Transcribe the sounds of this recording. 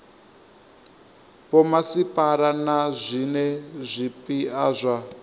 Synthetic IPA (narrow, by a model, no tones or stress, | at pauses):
pɔmasipʼaɾanazʷinɛzʷipiaːzʷa